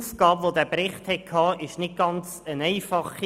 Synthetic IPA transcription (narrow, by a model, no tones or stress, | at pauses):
sɡ̥ɑːbʋodæːbɾɪχthɛkʰɑːʔɪʃnɪt̚ɡ̥ɑnt͡sənɛɪfɑχi